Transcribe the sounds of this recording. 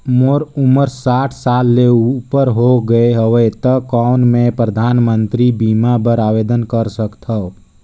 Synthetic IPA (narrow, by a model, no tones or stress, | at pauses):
moɾuməɾsaːʈʰsaːlːeupəɾɦoɡəeɦəʋət̪əkanmẽpɾəd̪ʱaːnmə̃nt̪ɾibiːmabəɾaːʋeːd̪ənkəɾsəkt̪ʰə